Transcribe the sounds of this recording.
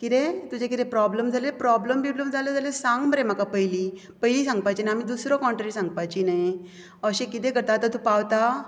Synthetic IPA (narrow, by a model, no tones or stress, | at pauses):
kit̪ẽt̪ud͡ʑekit̪ẽpɾɔbləmd͡zʱalepɾɔbləmbibləmd͡zʱaled͡zalesãŋɡməɾẽm̤akapəjli | pəɦilisãŋɡ̚pajt͡ɕinajam̤id̪usɾɔkɔɳʈɾaɾisãŋɡ̚pajt͡ɕinaj | əɕẽkit̪ẽkəɾt̪at̪at̪ũpawt̪a